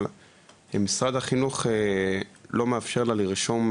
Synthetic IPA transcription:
hemisʁad̪haχinuχe | lo̞meafʃeʁlaliʁʃo̞m

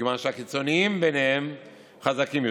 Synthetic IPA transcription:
manʃeakit͡so̞niimbenehem | χazakimj

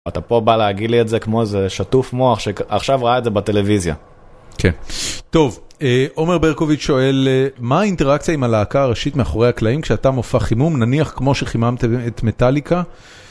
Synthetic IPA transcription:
atapo̞baleaɡidlietzekmozeʃatufmoaχʃeaχʃavʁaaetzebate̞levizja̰ | kʰento̞veʔo̞meʁbeʁko̞vit͡ʃʃo̞e̞lmaːinteʁakt͡sijaimalaːkaːʁeʃitmeaχo̞ʁe̞jhaklaimkʃeatamofaχimumnaniaχkmo̞ʃeχimamt̪eet̪me̞talika

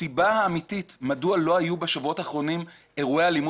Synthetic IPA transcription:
ibahaːmititmadualo̞ajubeʃavuo̞taːχʁo̞nim | e̞ʁuealimu

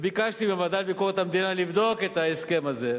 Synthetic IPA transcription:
bikaʃt̪imemɐd̪ɐlbikoːkt̪ɐmd̪inalifd̪oːket̪ɐɪskemɐze

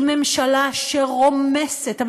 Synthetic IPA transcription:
me̞mʃalaʃeʁo̞mesetav

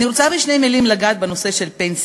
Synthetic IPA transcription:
iɾot͡sabiʃnejmilimlaɡaːt̪̚beno̞seʃe̞lpens

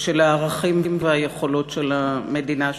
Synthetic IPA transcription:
ʃelaːʁaχimvmveajeχolo̞tʃelame̞dina

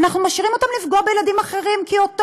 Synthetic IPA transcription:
naχnumaʃiʁimo̞t̪amlifɡoabejelad̪imaχeʁimkiot̪

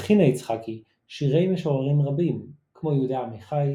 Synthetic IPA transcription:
χinait͡sχaki | ʃiʁe̞jmeʃoalimʁabim | kmo̞jeud̪aːmiχaj

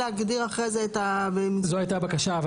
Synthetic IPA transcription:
eaɡd̪iʁaχʁezeːt̪abemzoajtabakaʃav

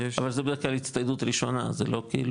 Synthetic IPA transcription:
avalzebed̪iklalit͡st̪ajd̪ut̪ɾiʃo̞na̰zḛlo̞kḭːl

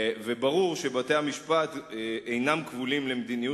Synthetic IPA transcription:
vebaʁuʁʃe̞bat̪eamiʃpat̪ʔejnamkvulimlemd̪iniju

